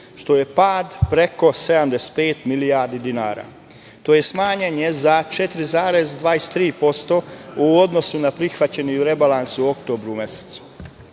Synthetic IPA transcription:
ʃt̪o̞je̞paːd̪pɾe̞ko̞se̞d̪amd̪ese̥t̪̚peːt̪milijaːɾd̪id̪inaːɾa̰ː | t̪o̞ːje̞smaːɲeɲe̞zat͡ʃe̞t̪ɾizaːɾe̞zd̪ʋaːest̪ɾiːpo̞st̪o̞uod̪no̞sunapɾixʋat͡ɕe̞nijuɾe̞balˠansuo̞kt̪o̞ːbɾuume̞se̥t̪su̥

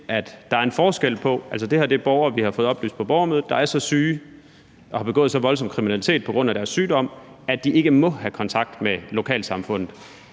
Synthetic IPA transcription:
ʔæd̥d̥ɑ̈æɐenfɒːsɡ̥el̰pʰɒ̽ʔælsɒd̥e̝heɐd̥eb̥ɒʊɐːʋihɑ̈fɔ̽ːð̞̩ˠɒ̽bly̰ːsd̥pʰɒ̽b̥ɒʊɐmøð̩ˠd̥ɑ̈æɐsɒ̽syː | ʔɒ̽hɑ̈b̥e̝ɡ̥ɔ̰ːð̩ˠsɒ̽ʋɒ̽lsɒ̽mkʰʁiminæli̥t͡sʰe̝̰ːd̥̚pʰɒ̽ɡ̥ʁɔ̽n̰æɾ̥æɐsːyːdɒ̽m̰æd̥ie̝ɡ̥əmɒ̽hækʰɒ̽nt͡sʰɑ̈ɡ̥̚d̥melo̝kʰɛ̰ːlsɑ̈mfɔ̽n̰ð̩ˠ

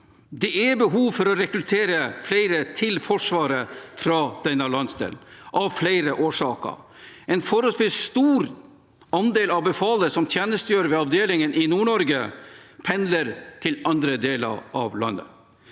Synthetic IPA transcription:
d̪ɛʔɛbəɦuːʋfɔɾɔɾɛkɾʉt̪ʰeːɾəflæɪɾət̪ʰɪlfɔʂʋɑːɾəfɾɑd̪̥ɛnɑɭɑnsd̪ḛːlʔɑʋflæɪɾəʔoːʂɑːkə̰ | ɛnfɔɾəspɪsst̪uːɾ | ɑnd̪eːlɑʋbəfɑːləsɔmt̪ʰjeːnəst̪əjøːɾʋɛɑʋd̪eːlɪŋənɪnuːɳɔɾɡəpʰɛnd̪ləɾt̪ʰɪlɑnd̪ɾəd̪eːlə̰ɾʔɑ̰ʋlɑ̰nːə̰

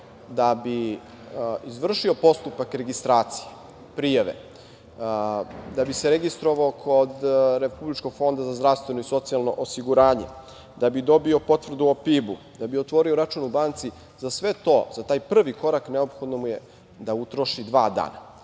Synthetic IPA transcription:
d̪abi | izʋr̩ʃio̞po̞st̪upakɾe̞ɡist̪ɾaːt̪si̥je | pɾijaʋḛ | d̪abiseɾeɡist̪ɾo̞ʋaokʰod̪ɾepublit͡ʃko̞ɡ̥fo̞nd̪azazd̪ɾaʋst̪ʋe̞noiso̞t̪sijalno̞̰ʔosiɡuɾaːɲḛ | d̪abid̪o̞bio̞po̞t̪ʋr̩d̪uopiːbu | d̪abiot̪ʋo̞ɾio̞ɾat͡ʃunubaːnt̪si | zasʋe̞t̪o̞zat̪aːjpr̩ʋiko̞ɾakneopxo̞d̪nomuje | d̪aut̪ɾo̞ʃid̪ʋaːd̪a̰ːna

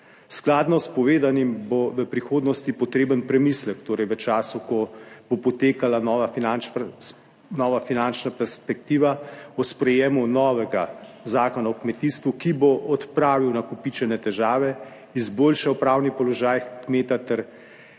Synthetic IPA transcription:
sklaːd̪nɔspɔʋeːd̪animboʋəpɾixoːd̪nɔst̪ipɔt̪ɾeːbənpɾɛmislɛkt̪oːɾɛjʋət͡ʃaːsukɔb̥opɔt̪eːkalanɔːʋanan | nɔʋafinant͡ʃnapɛɾspɛk̚t̪iːʋaɔspɾɛjeːmunɔːʋɛɡazaːkɔnaɔkmɛt̪ist̪ʋukiboʔɔt̪pɾaːʋiwnakupit͡ʃɛnɛt̪ɛʒaːʋɛ | izboːlʃawpɾawnipɔlɔʒaːjkmeːt̪at̪ɛɾ

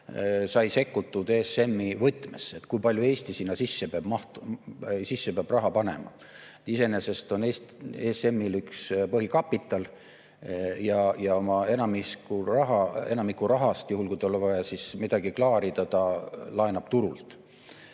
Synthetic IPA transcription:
sɑjse̞kːut̪ːˑud̪e̞se̞mːivɤjt̪ːˑmesːe̞t̪ːkujpɑlʲjue̞ːsʲt̪isiːnːɑsisːe̞peɑb̥mɑht̪ | sisːepeɑb̥rɑɦɑpɑne̞̰mɑ̰ | et̪ise̞ne̞se̞st̪o̞neːseːse̞mːilykspɤɦikɑpːit̪ːˑɑl | jɑjɑo̞mɑe̞nɑmiskurɑɦɑe̞nɑmikːuɾɑɦɑst̪juhulkuijt̪olevɑjɑsismid̪̥ɑɡ̥iklɑːɾid̪ɑt̪ɑlɑenɑb̥̚t̪uɾult̪

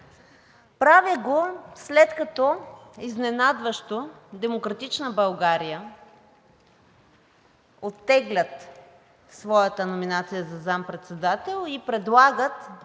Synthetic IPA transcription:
pɾavəɡoslɛt̪kɐt̪ɔiznɛnad̪vəʃt̪od̪ɛmokɾɐt̪it͡ʃnəbɐlˠɡaɾijə | ot̪ːɛɡlʲət̪ | svɔjət̪ənominat̪sijəzɐzampɾɛt̪sɛd̪at̪ɛlˠipɾɛd̪lˠaɡət̪

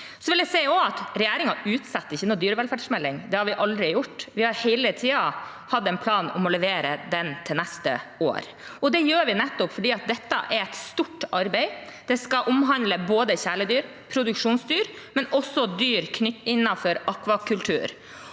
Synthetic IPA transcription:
sɔʋɪld̪jæsɛɪɔɑt̪ɾɛjæːɾɪŋɑʉːt̪sɑt̪ːɪçːənɔd̪yːɾəʋɛlfæɖʂmɛlːɪŋd̪ɛhɑɾʋɪʔɑld̪ɾɪjʊʈːʋɪhɑɾhɛɪlət̪ʰiːɑ | hɑd̪ːɛɪnpʰlɑːnɔmɔlɛʋeːɾəd̪ɛnt̪ʰɪlnæst̪ə̰o̰ːɾ | ɔd̪ɛjøːɾʋɪnɛt̪ːɔpfɔɖiːɑt̪̚d̪ɛt̪ːɑ̰ʔɛɾɛɪt̪st̪uʈɑɾbɛɪd̪̥ɛskɑʔʊmɦɑnd̪ləboːd̪əçæːɭəd̪yːɾ | pʰɾʊd̪ʉkʂuːnsd̪yːɾ | mɛnɔsːɔd̪yːɾkʰnʏt̪ːɪnːɑnfɔɾɑkʋɑkʰʉlt̪ʰʉ̰ːɾ

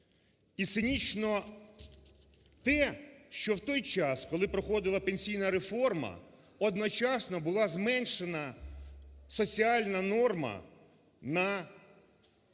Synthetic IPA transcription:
it̪sɪnʲit͡ʃnɔ | t̪ɛʃt͡ʃɔwt̪ɔjt͡ʃɑskɔlˠɪpɾɔxɔd̪ɪlˠɐpenʲsʲijnɐɾefɔrmɐ̰ | ɔd̪nɔt͡ʃɑsnɔbʊlˠɑzmɛnʃenɐ | sɔt͡sʲiɑlʲnɐnɔrmɐ̰ | nɐ

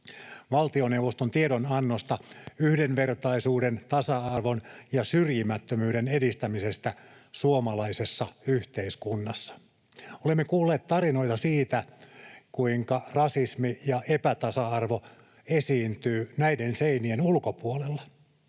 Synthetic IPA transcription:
ʋɑlt̪ionewʋost̪ont̪ieɾonɑnːost̪ɑyhdenʋert̪ɑisuːdent̪ɑsɑɑrʋonjɑsyrjimæt̪ːømyːɾenedist̪æmisest̪æsuomɑlɑisesːɑyht̪eiskunːɑsːɑ̥ | olemːekuːlːeːt̪t̪ɑrino̞jt̪ɑsiːt̪ækuiŋkɑrɑsismijɑepæt̪ɑsɑɑrʋo | esiːnt̪yːnæidenseinienulkopuolelːɑ

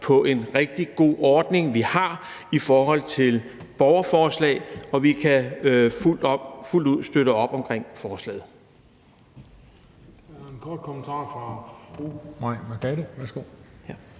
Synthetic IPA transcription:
pʰɒ̽ʔe̝nʁeɡ̥̚d̥iɡ̥o̝̰ːɒːd̥ne̝ŋʋihɑ̈ | ifɒːɦɒ̽l̰t͡sʰe̝l | b̥ɒʊɐfɒːslɛ̰ɪɒ̽ʋikʰæ | ful̰d̥uð̞̰ˠsd̥øɾəɒ̽b̥ɒ̽mkʰʁeŋ̰fɒːslɛ̰ːð̞̩ˠ | enkʰɒd̥̚kʰɔmənt͡sʰɑ̰̈ːfʁɑ̈fʁumɑ̈ɪ̰mækʰæɾəʋæɐsɡ̥o̝̰

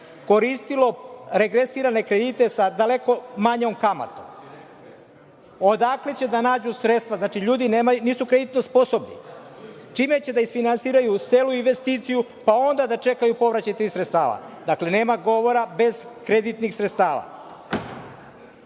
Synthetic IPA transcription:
ko̞ɾist̪ilo̞ɾeɡɾe̞siɾane̞kɾe̞d̪it̪e̞sad̪ale̞ko̞maɲomkama̰t̪o̰m | od̪aklet͡ɕe̞d̪anaːd͡ʑusɾet̪st̪ʋaznaːt͡ʃiʎuːd̪ineːmajniːsukɾe̞d̪it̪nospo̞sobnḭ | t͡ʃime̞t͡ɕe̞d̪aisfinansiːɾajuseːluinʋe̞st̪iːt̪siju | pao̞nd̪ad̪at͡ʃe̞kajupo̞ʋɾat͡ɕajt̪ɾisɾet̪st̪a̰ːʋa̰ | d̪akle̞ne̞ːmaɡo̞ʋo̞ɾabe̞zkɾe̞d̪it̪nixsɾet̪st̪aːʋa̰

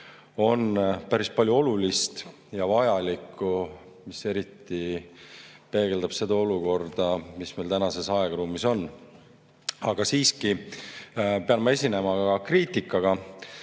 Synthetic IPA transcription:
o̞npæɾispɑlʲjuo̞lulist̪ | jɑvɑjɑlikːˑu | mise̞ɾit̪ːˑi | pe̞ːɡe̞ld̪ɑb̥se̞d̪̥ɑo̞luko̞rd̪̥ɑmisme̞jlt̪ænɑse̞sɑeɡ̥ɑɾuːmiso̞nː | ɑɡ̥ɑsiːski | pe̞ɑnmɑe̞sʲine̞mɑɑɑkriːt̪ːˑikːˑɑɡ̥ɑ

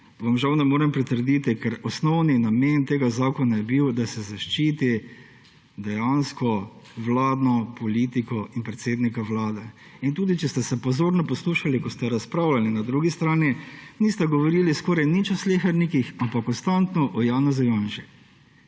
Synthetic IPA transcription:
ʋamʒawnɛmoːɾɛmpɾit̪əɾd̪it̪ikɛɾɔsnɔwninament̪eːɡazaːkɔnajɛbiwd̪asɛzaʃt͡ʃiːt̪i | d̪ɛjanskɔ | ʋlaːd̪nɔpɔliːt̪ikɔinpɾɛt̪seːd̪nikaʋlaːd̪ɛ | int̪uːd̪it͡ʃɛst̪ɛsɛpɔzoːɾnɔpɔsluːʃalikɔst̪ɛɾaspɾaːwlalinad̪ɾuːɡist̪ɾaːniniːst̪ɛɡɔʋɔɾiːliskɔːɾajnit͡ʃɔsleːxɛɾnikixampakːɔnst̪ant̪nɔʔɔjaːnɛzujanʃi

